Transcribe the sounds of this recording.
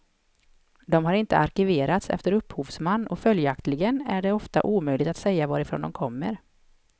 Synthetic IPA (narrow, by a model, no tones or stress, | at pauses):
d̪ɔmhaɾɪnt̪ə̰ʔaɾkɪveːɾat̪sɛ̰ft̪əɾɵpːhuːvsmanːɔfœljakt̪lɪɡənæɖɛɔft̪a̰ʔuːmœjlɪɡt̪at̪sɛjːavɑːɾɪfɾo̰ːnd̪ɔmkʰɔmːəɾ